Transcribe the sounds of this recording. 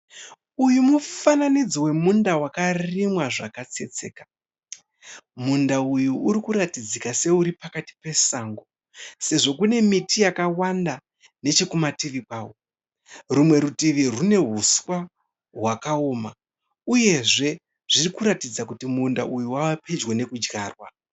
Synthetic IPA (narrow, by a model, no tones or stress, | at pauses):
ujumufananid͡ziwe̞mundawakarimwaʐakat͡se̞̰t͡se̞ːkḁ | mundaujuːɾikuɾatid͡zikase̞uɾipakati̥pe̞saŋɡo | se̞ʐo̞kune̞mitijakawanda | ne̞t͡ʃekumatiʋipaːwo̞ | rumwe̞ɾutiʋirune̞ɦuswa | ɦwakaoːma | uje̞ʐe̞ | ʐ̥irikuɾatid͡zakutimundaʔujuwawaped͡ʒwene̞kud͡ʒɡa̰ːrwa